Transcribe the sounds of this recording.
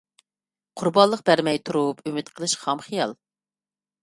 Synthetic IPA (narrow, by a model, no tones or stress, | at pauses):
qʰʊɾbɑlˠːəq̚bæɾmɛjt̪ʰuɾupʰymɪt̪qʰəlˠɨʃχɑmχɨjɑ̰lˠ